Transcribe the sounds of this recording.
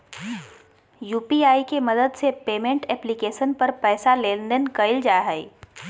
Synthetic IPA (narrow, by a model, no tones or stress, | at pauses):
juːpiaːikemɐd̪əd̪sepeːmẽɳʈɛːplikeːʃənpɐɾpɛːsaleːndənkɐɪld͡ʒaːɦɛi